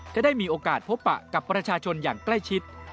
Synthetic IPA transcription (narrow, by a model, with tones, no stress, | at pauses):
t͡ɕʰɛː˥˩daː˥˩jmiː˧ʔoː˧kaː˨˩t̪̚pʰo˦˥pːa̰˨˩ʔka˨˩pːɾa˧t͡ɕʰaː˧t͡ɕʰo˧njaː˨˩ŋkla˥˩jt͡ɕʰi˦˥t̪̚